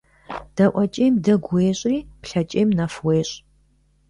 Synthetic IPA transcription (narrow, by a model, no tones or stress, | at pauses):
d̥ɐʔʷɔt͡ʃʼeːmdɐɡʷeːɕʼiːpɬɐt͡ʃʼeːmnɐfweːɕʼ